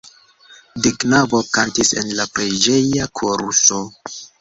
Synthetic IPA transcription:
diknavokantisḛnlapɾid͡ʒe̞jakʰoɾuso̞

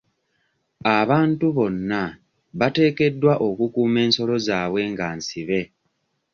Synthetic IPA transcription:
aβaːntuβo̞nːa | βate̞ːke̞dːwaʔo̞kukuːme̞ːnso̞lo̞zaːβwe̞ŋɡaːnsiβe̞

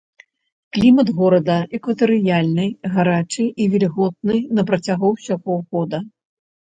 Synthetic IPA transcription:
klʲimɐd̪ɣɔɾɐd̪ɐʔɛkvɐt̪ɨɾɨjalʲnɨjɣaɾat͡ʂɨjivʲɛlʲiɣɔt̪̚nɨjnɐpɾɐt͡sʲaɣɔwsʲaɣɔwɣɔd̪ɐ

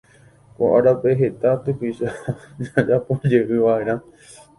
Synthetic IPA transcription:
koʔaɾapeɦet̪at̪ɨpiʃad͡ʒad͡ʒapõd͡ʒeʔɨʋaeɾã

